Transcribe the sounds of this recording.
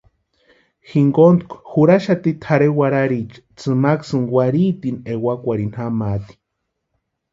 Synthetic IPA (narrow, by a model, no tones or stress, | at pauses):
xiŋɡont̪kʷxuɾaʃat̪it̪ʰaɾewaɾaɾit͡ʃ | t͡sɨmaksɨnwaɾit̪inewakʷaɾin̥hamat̪i̥